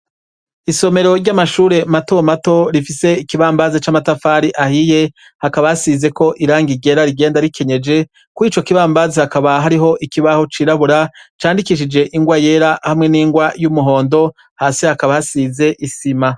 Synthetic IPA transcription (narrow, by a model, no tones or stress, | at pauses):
iso̞me̞ɾo̞ɾɟamaʃuːɾe̞mato̞mato̞ɾifise̞ikiβaːmbazet͡ʃaːmatafaɾiʔahije̞ | hakaβahasize̞ko̞ʔiɾaːŋɡiɟe̞ɾaɾiɡe̞ːndaɾikʰe̞ɲe̞d͡ʒe̞ | kuiːt͡ʃo̞kiβaːmbazehakaβaɦaɾiɦo̞ʔikiβaho̞t͡ʃiːɾaβuɾat͡ʃaːndikiʃ̬id͡ʒe̞ʔiŋɡwaje̞ɾahamŋe̞niːŋɡwajumuɦo̞ːndo̞ | haːsihakaβahasiːze̞ʔisima